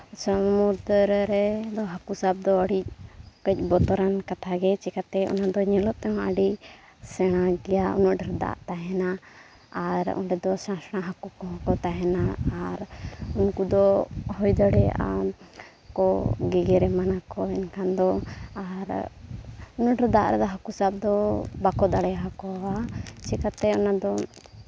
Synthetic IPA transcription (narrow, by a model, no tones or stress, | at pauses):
səmmuɾd̪ɾɾɛd̪ɔɦakusab̚d̪ɔəɽic̚kəc̚ˀbɔt̪ɔɾankat̪ʰaɡɛt͡ʃɛkat̪ɛʔɔ̰nad̪ɔɲɛlɔp̚t̪ɛɦɔ̃əɖi | sɛɽ̃aɡɛjaṵnɔʔɖʱəɾd̪a̰ʔt̪aɦɛna | aɾɔ̰nɖɛd̪ɔsãsɽ̃aɦakukɔɦɔ̃kɔt̪aɦɛnaaɾunkud̪ɔhɔjd̪ɔɽɛa̰ | kɔɡiɡɛɾɛmanakɔɛnkʰand̪ɔaɾ | unɔʔɖɾɛd̪a̰ʔɾɛd̪ɔɦakusap̚d̪ɔbakɔd̪aɽɛjaɦakɔat͡ʃikat̪ɛɔnad̪ɔ